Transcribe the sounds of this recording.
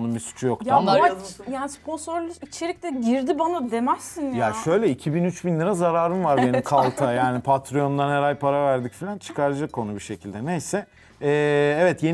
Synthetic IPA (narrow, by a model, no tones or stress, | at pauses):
numbisu̥t͡ʃʰujokt̪ʰaajaːnispo̞nso̞ɾlʲuit͡ʃʰe̞ɾicʲlʲɛɟiɾd̪ibanad̪e̞mɛsinjaʃø̞jlʲɛicʰibinyt͡ʃbinlʲiɾazaɾaːɾɯmvaɾbe̞nimkʰalˠt̪ʰajaːnipʰat̪ɾijo̞nd̪anhɛɾajpʰaɾavæɾd̪icfilʲant͡ʃʰɯ̥kʰaɾd͡ʒɯkʰːo̞nubiʃe̞cʰilʲd̪ɛnejsɛ | ɛːɛvɛt̪je